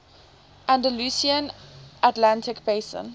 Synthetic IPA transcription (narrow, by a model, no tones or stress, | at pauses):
ʔæ̃ndəlusiə̃nʔatlãntʰɪkbeɪsə̰̃n